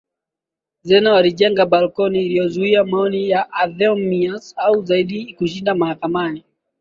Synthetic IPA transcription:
zɛnawaliʄɛŋɡaɓalkɔniːlijɔzuiamaɔnijaʔaðɔmiasauzaiɗikuʃindamahakamani

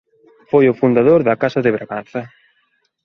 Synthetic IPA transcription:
fojʊfund̪aðoɾðɐkasɐðɪβeɾɣan̟θɐ

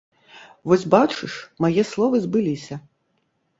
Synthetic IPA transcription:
vɔsʲbat͡ʂɨʂmajɛslˠɔvɨzbɨlʲisʲɐ

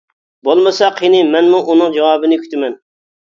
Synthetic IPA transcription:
bolˠmɨsɑqʰːinɪmɛnmuʔunɨŋd͡ʒɑwɑːbɨnɪkʲʰy̥t̪ʰɪmɛn

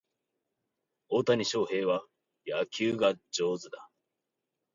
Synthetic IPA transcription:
o̞ːt̪aɲ̟iɕo̞ːhe̞ːβa | jakʲɨːɡad͡ʑo̞ːzɨd̪a

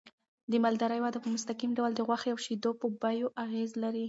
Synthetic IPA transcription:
d̪əmald̪aɾajwad̪apəmʊst̪aqimɖawld̪əɣwaxjawʃid̪opəbajoʔaɣezlaɾi

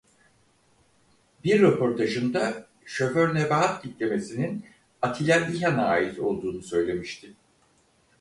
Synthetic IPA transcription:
biɾːepʰo̞ɾt̪ʰaʒɯnd̪a | ʃø̞føɾnebaːat̪̚d̪icʲlʲe̞me̞sinin | at̪ʰilʲæɾiɦanaːizo̞lˠd̪uːnusø̞jlʲe̞miʃt̪ʰi

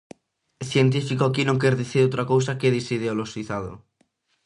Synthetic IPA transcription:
eθjent̪̬ifikoakinõŋkɛɾðiθiɾowt̪ɾakowsakeðisiðeoloʃiθað̞o̰

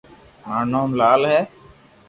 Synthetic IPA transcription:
maːnoːmlaːlɦɛː

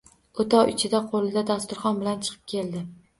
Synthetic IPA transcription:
ot̪ʰɒwʔɪt͡ʃʰɪd̪aqʰolɪd̪ad̪ast̪ʊɾχɒnbɪlant͡ʃʰɨ̥qʰɨ̥p̚kʲʰe̞ld̪ɪ

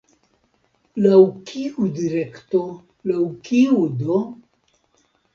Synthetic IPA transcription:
lawkiud̪iɾekt̪o | lawkiud̪o

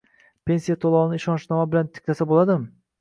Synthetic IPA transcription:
pʰe̞nsijat̪ʰolˠɒnɪɪʃɒnʃnɒmabɪlant̪ʰɪ̥kʲlasabolˠad̪ɪm

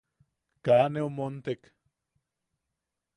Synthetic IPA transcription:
kaneomont̪ek

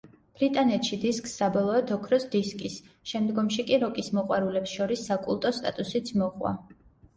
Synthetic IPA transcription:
b̥ɾit̪ʼanɛt̪ʰʃid̪iskʼsːabɔlˠɔɔd̪ʰɔkʰɾɔsd̪iskʼis | ʃɛmd̪ɡɔmʃikʼiɾɔkʼismɔqʼwaɾulɛpsʃɔɾisːakʼṵlˠt̪ʼɔst̪ʼa̰t̪ʼusit̪sʰmɔχʼwa̰

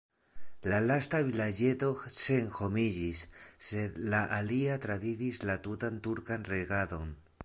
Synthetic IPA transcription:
lalastavilad͡ʒe̞to̞se̞nxo̞mid͡ʒisːe̞d̪laʔaliat̪ɾavivislatutantuɾkanre̞ɣado̞n

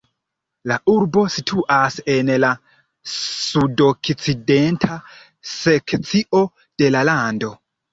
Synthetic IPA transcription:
lauɾbo̞sitʰuʔase̞nla | sudokt͡side̞ntʰa | se̞kt͡siʔo̞ | d̥e̞lalando̞

